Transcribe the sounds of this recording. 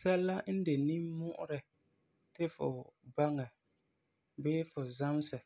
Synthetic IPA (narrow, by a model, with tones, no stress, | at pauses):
sɛ˦lːa˦n̩˦de˨ni˦mʊ˦ʔʊ̰˦ɾɪ˨ | tɪ˦fʊ̰˨ba˦ŋa˨ | beː˦fʊ˨za˦m˦sɨ˨